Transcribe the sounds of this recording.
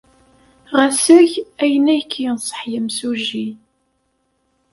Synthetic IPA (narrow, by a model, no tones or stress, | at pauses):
ʁæsæçæjənæjkʰːijənsˤə̥ħjəmsuʒi